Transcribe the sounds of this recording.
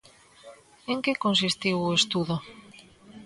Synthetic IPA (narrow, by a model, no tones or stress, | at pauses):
eŋkekons̬ist̪iwoest̪uðo